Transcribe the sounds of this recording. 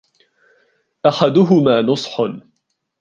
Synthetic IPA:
ʔaħad̪ʊɦʊmaːnʊsˤħ

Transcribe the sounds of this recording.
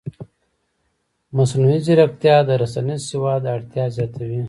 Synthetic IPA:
mɐsnuiziɾɐkt̪jad̪əɾɐsanisiwad̪ɐɽt̪jazjaːt̪awi

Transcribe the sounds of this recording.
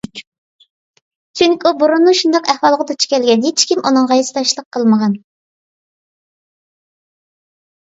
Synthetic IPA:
t͡ʃʰyŋkʲiubuɾunːuʃund̪ɑqæhwɑlˠʁɑd̪ɑt͡ʃʰy̥kʲɛlɡʲɛnɦet͡ʃʰkʲimʔunɨŋʁɑjisɨt̪ɑʃlˠəqʰːəlˠməʁɑn

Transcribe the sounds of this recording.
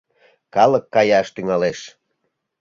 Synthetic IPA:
kɑləkːɑjɑʃt̪yŋɑleʃ

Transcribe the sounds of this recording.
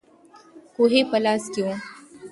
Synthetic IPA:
koɦepəlaskjõ

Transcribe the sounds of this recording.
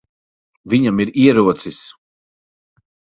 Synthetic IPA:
viɲamiɾiɛɾuɔt̪sis

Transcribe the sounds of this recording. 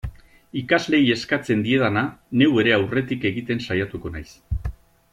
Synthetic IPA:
ikazle̞je̞skat͡se̞nd̪ie̞ðanane̞we̞ɾe̞awre̞t̪ike̞ɣit̪e̞nsajat̪uko̞najs

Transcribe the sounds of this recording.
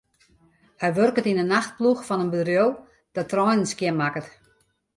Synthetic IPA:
hɛjʋørkətinənaxt̚pluxfɔnənbədrjolˠ | d̥ɔtʰrɔjnənskjɪnmakət

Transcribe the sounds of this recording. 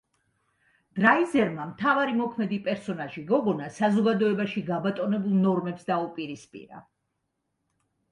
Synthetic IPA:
d̪̥ɾaizɛɾmamt̪ʰavaɾimɔkʰmɛd̪ipʼɛɾsɔnaʒiɡɔɡɔnasazɔɡad̪ɔɛbaʃiɡabat̪ʼɔnɛbulˠnɔɾmɛpsd̪aupʼiɾispʼḭɾa̰

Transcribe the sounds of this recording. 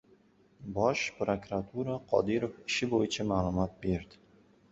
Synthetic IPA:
bɒʃpɾokɾat̪ʰuɾaqʰɒ̰d̪ɪɾofɪʃɪbojɪt͡ʃʰamaːlˠʊmɒt̪̚be̞ɾd̪ɪ

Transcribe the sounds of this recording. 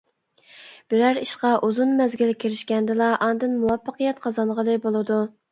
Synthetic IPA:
b̥ɪɾæɾiʃqɑʔuzunmɛzɡʲilkʲʰeɾɪʃkʲɛnd̪ɪlˠɑʔɑnd̪ɨnmuwɑpːəqɨjɛt̪qʰɑzɑnʁəld̪ɨjbolˠɨd̪u

